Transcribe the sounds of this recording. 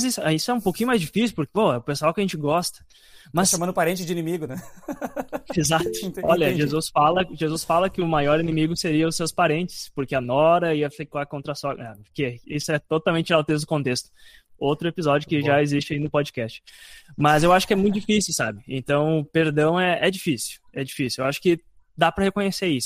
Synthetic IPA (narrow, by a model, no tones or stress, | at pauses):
zisʊɛisʊɛũpowkĩɲʊmajzd͡ʒifisiuwpʊɾkpoʊpesʊawkɪɐʒẽnt͡ʃɪɡɔst̪ɐ̥ | mɐsʃɐ̃mɐ̃ndʊpaɾẽnt͡ʃɪzd͡ʒɪinĩmiɡʊnɛ | ezat̪ʊɔʎɐʒezusfalɐʒezusfalɐkɪʊmajɔɾĩnẽmiɡʊseɾiɐʊsewspaɾẽnt͡ʃɪ̥spoɾkɪɐnɔɾɐiɐfikakõnt̪ɾɐsɔakeisʊɛt̪ot̪awmẽnt͡ʃɪawt̪ezd̪ʊkõnt̪est̪ʊ̥ | owt̪ɾʊepizɔd͡ʒʊkɪʒaezist͡ʃɪainʊpod͡ʒikɛst͡ʃɪ̥mɐzewaʃʊ̥kɪɛmũj̃t̪ʊd͡ʒifisiɪwsabɪḛ̃nt̪ɐ̃w̃peɾd̪ɐ̃w̃ɛʔɛd͡ʒifisiwɛd͡ʒifisiewaʃʊ̥kɪ | d̪apɾɐhekõɲeseisʊ̥